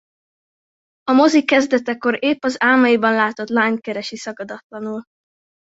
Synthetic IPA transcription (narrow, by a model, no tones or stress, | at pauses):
ɒmo̞zikːɛzd̪ɛt̪ɛko̞ɾeːpːɒzaːlmɒjibɒnlaːt̪o̞t̪laːɲkɛɾɛʃisɒɡɒd̪ɒt̪lɒnul